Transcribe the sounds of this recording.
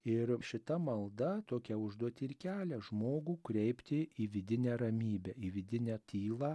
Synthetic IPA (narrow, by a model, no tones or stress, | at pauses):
ɪɾʃʲɪt̪ɐmɐlˠd̪ɐt̪oːkʲɛʊʒd̪uɔt̪ʲɪɪɾkʲæːlʲɛʒmoːɡuːkɾʲɛɪpʲt̪ʲɪiːʋʲɪd̪ʲɪnʲæːɾɐmʲiːbʲæːiːʋʲɪd̪ʲɪnʲæːt̪ʲiːlˠɑː